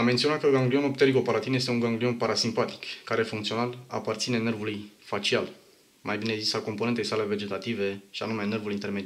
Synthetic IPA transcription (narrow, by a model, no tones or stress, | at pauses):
amːent̪sioat̪kəɡaŋɡlio̞nopt̪eɾiɡo̞paɾat̪inje̞st̪euŋɡaŋɡlio̞npaɾasimpat̪i̥kːaɾe̞fuŋkt̪sio̞nala̰part̪sine̞ne̞rvulujfat͡ʃial | majbinezisako̞mpoet̪e̞jsale̞ve̞d͡ʒe̞t̪at̪ive̞ʃia̰numene̞rvulint̪e̞ɾmed̪i